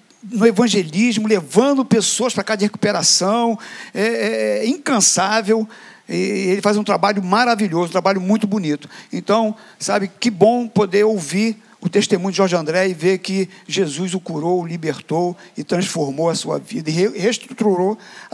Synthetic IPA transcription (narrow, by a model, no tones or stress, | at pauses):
nʊevɐ̃ʒelizmʊlevɐ̃nd̪ʊpesoɐspɾakazɐɐheku̥peɾasɐ̃w̃ɛɛɛĩkɐ̃savew | ɪelɪfazũt̪ɾabaʎʊmaɾaviʎozũt̪ɾabaʎʊmũj̃t̪ʊbunit̪ʊ̥ẽnt̪ɐ̃w̃ | sabɪkɪbõpod̪eɾowvi | ʊt̪eʃt̪emũɲʊdɪʒɔɾʒɐ̃nd̪ɾɛɪvekɪʒezuzʊkuɾowlibeɾt̪owɪt̪ɾɐ̃sfoɾmowɐsuɐ̰vid̪ɐɪɦeheʃt̪ɾut̪ɾuɾo